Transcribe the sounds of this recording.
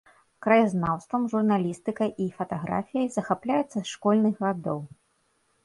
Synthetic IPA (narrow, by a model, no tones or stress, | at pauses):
kɾɐjaznawst̪vɐmʐurnalʲist̪ɨkɐʔifɐt̪aɣɾa̰fʲijɐjzɐxaplʲajɛt̪sːɐsʂkɔlʲnɨɣɣad̪ɔw